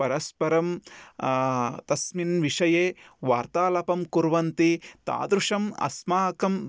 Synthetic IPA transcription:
pɐɾɐspɐɾɐm | t̪ɐsminʋiʂɐjeːʋaːɾt̪aːlɐpɐmkuɾʋɐnt̪it̪a̰ːd̪ɾuʂɐmɐ̰smaːkɐm

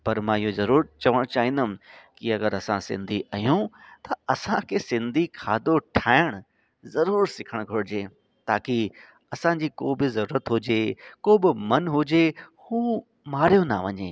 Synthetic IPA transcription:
pɐɾmãːɪɦozɐɾuːɾəɾt͡ɕɐʋəɽ̃t͡ɕaːɦĩnd̪əmkɪɐɡəɾɐsãsɪ̰̃nd̪ʱiʔɐjũt̪ɐɐsãkʰeːsɪ̃nd̪ʱikʰaːd̪oʈʰaːɪɽ̃ʊ | zɐɾuːɾsɪkʰəɽ̃ɡʱoɽɪd͡ʑeː | t̪aːki | ɐsãd͡ʑiːkoːbɪzɐɾuːɾət̪ɦʊd͡ʑeːkoːbɪmɐnɦʊd͡ʑehuː | maːɾ̤ijona̰ʋɐɲḛː

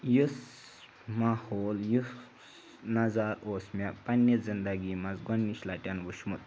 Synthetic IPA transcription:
jus | mahoːlju | nɐzaːɾoːsmʲapɐnːɐzind̪ɐɡimɐzɡɔnːiʃlaʈʲanbuʃmut̪

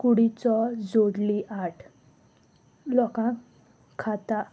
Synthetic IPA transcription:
kuɽit͡sɔd͡zod̪liʔaʈʰ | lɔkã | kʰːat̪a

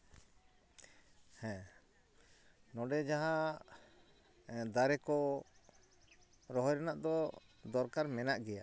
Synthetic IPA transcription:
hɛ̃ | nɔɖɛd͡ʒaɦa | d̪aɾɛkɔ | ɾɔɦɔjɾɛnaʔd̪ɔd̪ɔɾkaɾmɛnaʔɡɛja

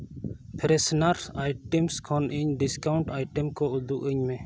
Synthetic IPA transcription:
pʰɛɾɛsnaɾsajʈɛmskʰɔnʔiɲɖiskawɳʈajʈɛmkɔud̪uʔəɲmɛ̃

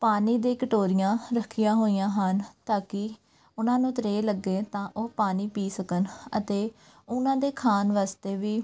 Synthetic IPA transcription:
paːniːd̪eːkɪʈoːɾɪjãːɾəkʰijãːɦoːijãːɦənt̪aːkɪ | ʊnãːnũːt̪ɾeːləɡːeːt̪ãːʔoːpaːniːpiːsəkənə̰t̪eː | ʊnãːd̪eːkʰaːnʋaːst̪eːʋiː

